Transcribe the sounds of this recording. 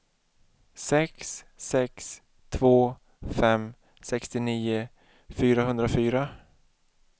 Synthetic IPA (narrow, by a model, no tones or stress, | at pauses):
sɛksːɛks | t̪ʰvoː | fɛm | sɛkst̪ɪniːʊ | fyːɾaɦɵnd̪ɾafyːɾa